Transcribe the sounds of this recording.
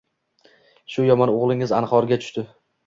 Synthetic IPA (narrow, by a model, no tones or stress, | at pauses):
ʃʊjɒmɒnoʁlˠɪŋɪzanχɒɾɡʲat̪ʰʊ̥ʃt̪ɪ